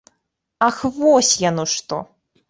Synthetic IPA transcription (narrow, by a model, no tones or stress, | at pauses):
axvɔsʲjanɔʂt̪ɔ̰